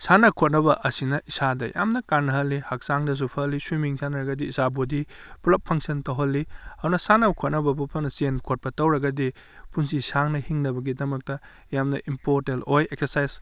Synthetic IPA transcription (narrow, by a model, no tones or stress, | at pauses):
sanɐkʰot̚nɐbɐʔɐsinɐʔisadɐjʔa̰mnɐkanːɐɦɐlːihɐk̚saŋdɐs̬upʰɐlːisumiŋsanɐɾɐɡɐdiːsabodipulɐpʰːɐŋsɐntɐwɦɐlːiɐdunɐsanɐkʰot̚nɐbɐpupʰɐnɐsienkʰot̚pɐtɐwɾɐɡɐdi | punsisaŋnɐhiŋnɐbɐɡidɐmɐk̚tɐ | jamnɐʔimpoɾtelojekseɾsajz